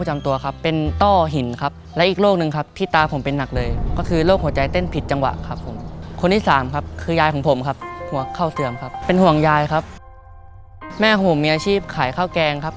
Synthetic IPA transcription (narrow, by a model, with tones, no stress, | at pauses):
t͡ɕa˧mt̪u˧ɐkʰa˦˥pːe˧nt̪ɔː˥˩ɦi˨˩˦nkʰa˦˥p̚lɛ˦˥ʔi˨˩k̚loː˥˩k̚nɯ˨˧ŋkʰa˦˥p̚t̪ʰiː˥˩t̪aː˧pʰo˩˦mpe˧nːa˨˩k̚lɤː˧jkɔː˥˩kʰɯː˧loː˥˩k̚hu˩˦ɐt͡ɕa˧jt̪e˥˩npʰi˨˩t̪̚t͡ɕa˧ŋwa̰˨˩ʔkʰa˦˥pʰːo˩˦mkʰo˧nt̪ʰiː˥˩saː˩˦mkʰa˦˥p̚kʰɯː˧jaː˧jkʰɔː˩˦ŋpʰo˩˦mkʰa˦˥p̚hu˩˦ɐkʰa˥˩wsɯ˧˩əmkʰa˦˥p̚pe˧nhu˨˩əŋjaː˧jkʰa˦˥p̚ | mɛː˥˩kʰɔː˨˩˦pʰo˩˦miː˧ʔaː˧t͡ɕʰiː˥˩p̚kʰaː˨˩˦jkʰaː˥˩wkɛː˧ŋkʰa˦˥p̚